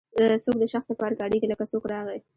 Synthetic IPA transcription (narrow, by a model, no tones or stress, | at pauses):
sok̚d̪əʃaxsd̪əpɑɾaɡɑɽeɡiləkasokɾɑɣe